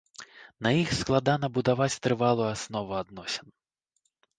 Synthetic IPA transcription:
nɐjixsklˠad̪anɐbud̪avat͡sʲt̪ɾɨvalˠuasnɔvuad̪nɔsʲɛn

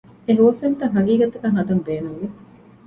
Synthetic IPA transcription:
eɦuʋɐfent̪ɐŋɦɐɡiːɡɐt̪ɐkɐŋɦɐd̪ɐmbeːnuŋʋe

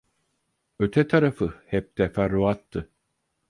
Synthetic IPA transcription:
øt̪ʰɛt̪ʰaɾafɯhɛp̚t̪ɛfæɾuat̪ːɯ

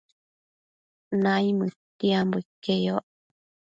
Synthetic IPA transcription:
najmɨt̪iambuikːejoʔ

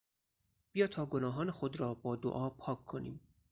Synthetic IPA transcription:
bijɒːt̪ʰɒːɡonɒːɦɒːnexod̪ɾɒːbɒːd̪o̰ʔɒːpʰɒːkʰːonḭːm

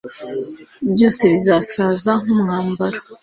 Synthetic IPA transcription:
bjo̞ːse̞βizasaːzaŋumŋaːmbaɾa

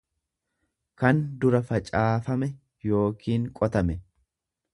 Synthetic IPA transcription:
kɐnd̪ʊɾɐfɐt͡ʃʼaːfɐmɛ | jo̞ːkʰiːŋkʼɔt̪ɐmɛ

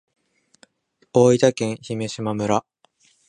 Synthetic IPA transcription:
oːit̪akẽ̞ɰ̃çime̞ɕimamɯ̟ɾa

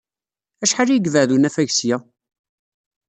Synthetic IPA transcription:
æʃħaɾjɡvəʕðunæfæʝsjæ

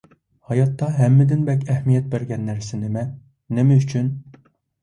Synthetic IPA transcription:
hɑjɑt̪ːɑɦɛmːɪd̪ɪnbɛkʲɛhmijɛt̪̚bæɾɡʲɛnːæɾsɪnɪmɛ | nemɛyt͡ʃʰyn

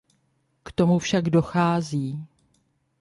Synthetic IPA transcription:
kt̪o̞mufʃaɡdo̞xaːziː

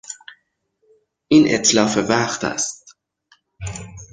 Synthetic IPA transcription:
ʔiːnʔḛt̪ʰlɒːfevæχt̪ʰæ̰st̪̚

